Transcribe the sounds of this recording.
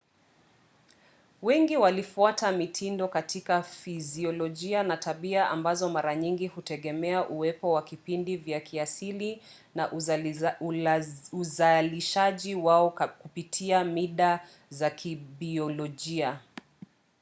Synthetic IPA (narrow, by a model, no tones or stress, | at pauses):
wɛŋɡiwalifuatamitʰindɔkatʰikafiziɔlɔʄianatʰaɓiaʔambazɔmaɾaɲiŋɡihutɛɠɛmɛaʔuwɛpɔwakipindivjakʰiasili | naʔ | uzaliʃaʄiwaɔkupitʰiamiɗa | zakʰiɓiɔlɔʄia